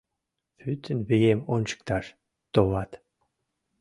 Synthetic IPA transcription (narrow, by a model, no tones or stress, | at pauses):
fyt̪ʰːə̆nβejemonʲt͡ɕə̥k̚t̪ɑʃ | t̪oβɑt̪